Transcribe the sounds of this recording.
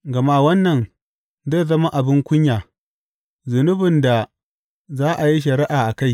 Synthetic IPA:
ɡɐ˨ma˦wɐ˦nːɐ˨n | ze˦˨zɐ˦ma˦ʔa˨bɪ˦ŋkʷʊ˦ɲjaː˨ | zʊ˨nʊ˦bɪ˨nda˨ | zaː˦ʔa˨ji˦ʃ̬ɐ˨ɾɪ˦ʔaː˨ʔa˨ka˦˨j

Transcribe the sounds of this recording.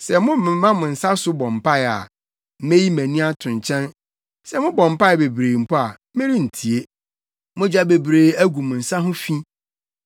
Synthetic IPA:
sɛ˨mʊ̃˦mɪ̃˨˦ã˦mʊ̃˨n̩˨sa˦sʊ˦bɔ̃˨mpʰa˦ɛ˨a̰˨ | m̩˦me˦ji˦mæ̃˨nĩ˦a˦tʰʊ̃˨ɲ˨t͡ɕʰɛ̃˦n | sɛ˦mʊ̃˦bɔ̃˨m˨pa˦ɛ˨be˨bɾeː˨m̩˨pɔ˦a˨˦mɪ̃˦ɾi˦n̩˨tʰi˨e˦ | mʊ̃˦d͡ʑᶣa˦be˨bɾeː˨˦æ˦ɡʷu˨mʊ̃˨n̩˨sa˦ɦʊ̃˦fĩ˦

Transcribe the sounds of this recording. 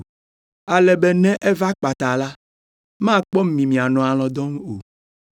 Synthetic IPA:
a˨lɛ˨bɛ˦˨nɛ̃˦ʔɛ˦va˦k͡pa˨t̪a˨la˦ | mã˦k͡pɔ˦m̩˦˨mĩ˨mĩ˨a˨nɔ̃˨a˨lɔ̃˨d̪ɔ̃˦ŋ˦o̰˨

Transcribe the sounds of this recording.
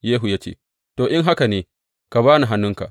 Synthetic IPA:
jeː˦ɦu˨ja˦t͡ʃḛː˦ | toː˨ʔɪ˦ŋɦa˦ka˨neː˦ | ka˨baː˦na˨ɦa˦nːʊ˦ŋka̰˨ʔ

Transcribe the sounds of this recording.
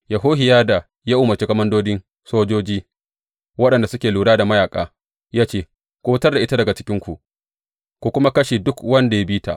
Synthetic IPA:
ja˨ɦoː˦ɦɪ˨jaː˦da˨ | ja˦ʔʊː˦mɐ˨rt͡ʃe˦kɐ˦mɐ˦ndoː˦dɪ˦n | soː˦d͡ʒoː˦d͡ʒiː˦ | wɐ˦ɗɐ˨nda˨sʊ˦kʲeː˨luː˨ɽaː˦da˨mɐ˦jaː˨kʼa̰ː˦ | jaː˦t͡ʃeː˦ | kʷoː˦tɐ˦rda˨ʔɪ˦ta˦dɐ˨ɡa˨t͡ʃɪ̥˦kʲɪ˦ŋkʷu˨ | kʷu˨kʷʊ˦ma˦kɐ˦ʃi˨dʊ˦kwɐ˦nda˨ja˦biː˦ta̰˨ʔ

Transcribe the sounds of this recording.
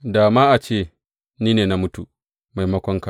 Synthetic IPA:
daː˨maː˦ʔa˨t͡ʃeː˦˨ | niː˦neː˨na˦mʊ˦tu˨ | ma˨jmɐ˦kʷɔ˦ŋka˨

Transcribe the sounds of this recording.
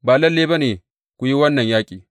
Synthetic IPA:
baː˨lɐ˦lːeː˦bɐ˦neː˨ | kʷu˨ji˦wɐ˦nːɐ˨ɲjaː˦kʲʼiː˨

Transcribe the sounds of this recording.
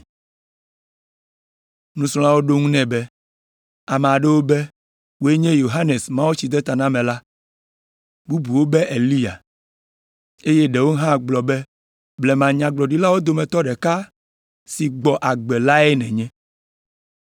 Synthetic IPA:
nũ˦slɔ̃˦ã˦wo˦ɖo˦ŋũ˦nɛ̃˨bɛ˦ | a˨me˨a˨ɖe˦wo˦be˦ | wo˦e˦ɲɛ̃˦jo˨ɦa˦ne˨smã˦wo˦t͡ɕi˨d̪ɛ˦t̪a˨nã˦mɛ̃˨la˦ | bu˦bu˨wo˦bɛ˦ʔe˨li˦ja̰˨ | e˦jɛ˦ɖɛ˨wo˦ɦã˦˨ɡ͡blɔ˨bɛ˦ | blɛ˨mã˨ɲã˨ɡ͡blɔ˨ɖi˦la˦wo˦d̪o˨mɛ̃˨t̪ɔ˦ɖɛ˨ka˦ | si˨ɡ͡bɔ˨ʔa˨ɡ͡bɛ˨la˦ɛ˦nɛ̃˨ɲɛ̃˦

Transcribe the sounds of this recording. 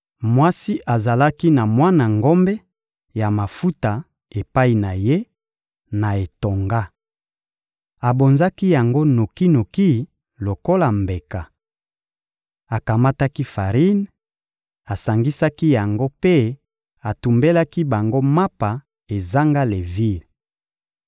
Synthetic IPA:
mwa˦si˦ʔa˨za˨la˦ki˦na˨mwa˦na˨ŋɡo˦mbɛ˦ | ja˨ma˨fu˦ta˨ | e˨pa˦i˨na˨je˦ | na˨e˨to˨ŋɡa˦ | a˨bo˨nza˦ki˦ja˨ŋɡo˦no˨ki˦no˨ki˦ | lo˨ko˦la˨mbe˨ka˨ | a˨ka˨ma˦ta˦ki˦fa˨ʁi˦n | a˨sa˨ŋɡi˦sa˦ki˦ja˨ŋɡo˦pe˦ | a˨tu˨mbe˦la˦ki˦ba˨ŋɡo˦ma˦pa˨ | e˨za˦ŋɡa˦le˨vi˦˨l

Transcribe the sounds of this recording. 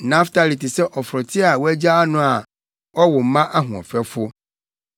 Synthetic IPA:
nã˦ftʰa˦li˨tɪ˨sɛ˦ʔɔ˨fɾɔ˨tʰɪ˦a˨wæ˦d͡ʑa˦a˦nʊ̃˦a˨ | ɔ˦wɔ˨m˦mã˦ʔa˦ɦʊ̃˨ɔ̰˨fɛ˦fʊ˦

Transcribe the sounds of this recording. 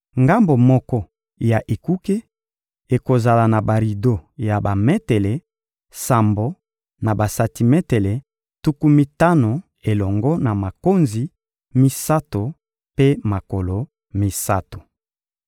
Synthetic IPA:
ŋɡa˦mbo˨mɔ˦kɔ˦ | ja˨ʔe˨ku˦ke˦ | e˨ko˨za˨la˨na˨ba˨ʁi˨do˦ja˨ba˨me˦te˨le˨ | sa˨mbo˦ | na˨ba˨sa˨ti˨mɛ˦te˨le˨ | tu˦ku˦mi˦ta˦no˨ | e˨lɔ˨ŋɡɔ˦na˨ma˨ko˦nzi˨ | mi˦sa˦to˨ | pe˦ma˨ko˨lo˨ | mi˦sa˦to̥˨

